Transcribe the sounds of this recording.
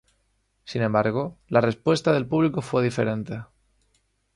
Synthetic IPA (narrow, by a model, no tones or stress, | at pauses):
sinẽmbaɾɣ̞o̞lare̞spwe̞st̪aðe̞lpuβ̞liko̞fwe̞ð̞ife̞̰ɾẽ̞nt̪e